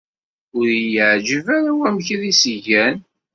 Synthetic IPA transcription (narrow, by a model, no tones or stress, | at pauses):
ʊɾjəʕd͡ʒəvaɾawæmçiðisʝæn